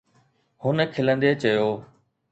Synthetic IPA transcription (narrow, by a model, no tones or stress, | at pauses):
hʊnkʰɪlə̃nd̪eːt͡ɕəjoː